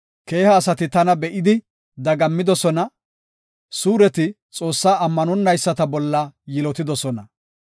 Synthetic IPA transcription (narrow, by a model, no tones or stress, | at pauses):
ke̞ːhɐːsɐt̪ɪt̪ɐnɐbɛʔɪd̪ɪ | d̪ɐɡɐmːɪd̪ɔsɔnɐ | suːɾɛt̪ɪ | t͡sʼo̞ːsːaːɐmːɐnɔnːɐjsːɐt̪ɐbɔlːɐjɪlɔt̪ɪd̪ɔsɔnɐ